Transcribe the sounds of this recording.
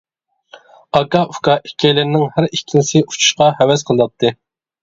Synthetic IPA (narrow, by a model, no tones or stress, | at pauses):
ɑkɑʔufkɑʔikʲʰːɛjlɪɾnɪŋhæɾikʲʰːinɪsɪu̥t͡ʃʰu̥ʃqɑhɛwɛsqʰəlˠd̪ɑp̚t̪ʰːɨ